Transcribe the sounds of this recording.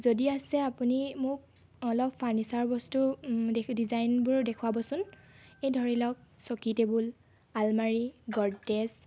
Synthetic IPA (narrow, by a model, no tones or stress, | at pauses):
zodiasɛapunimʊk̚ | ɔlɔpʰːaɹnisaɹbɔstudedizajnbʊɹdekʰuwabɔsʊnejdʱɔɹilɔk̚sɔkitebul | almaɹiɡɔɹdes